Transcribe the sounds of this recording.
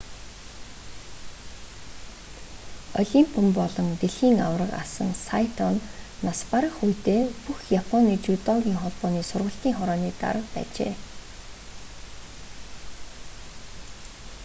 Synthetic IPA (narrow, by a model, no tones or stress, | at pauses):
ɔɮʲimpʰɔmpɔɮɞ̆ŋt̪eɮxiːŋa̰wrə̆qa̰sə̆ŋsajt̪ʰɔnːaspaɾə̆χujt̪eːpuxjapʰɔniːt͡ɕut̪ɔɣʲiːŋχɔɮpɔːniːsʊrʁə̆ɬt̪iːŋχɔɾɔːniːt̪a̰ɾə̆qpæ̰ːt͡ɕḛː